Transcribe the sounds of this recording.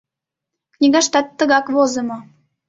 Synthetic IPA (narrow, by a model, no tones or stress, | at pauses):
knʲiɣɑʃt̪ɑt̪ːə̆ɣɑkβozə̆mŏ